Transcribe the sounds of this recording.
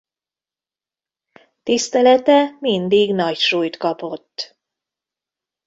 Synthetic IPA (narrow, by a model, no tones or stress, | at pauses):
t̪ist̪ɛlɛt̪ɛmind̪iɡnɒcʃuːjt̪kɒpo̞t̪ː